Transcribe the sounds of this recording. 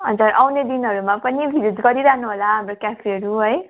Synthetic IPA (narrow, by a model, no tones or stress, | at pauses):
ɦʌnd͡zaɾʔawned̪inɦʌɾumapʌnibʱilud͡zɡʌɾiɾaɦnuɦolaɦamrokjapʰiʌɾuɦʌj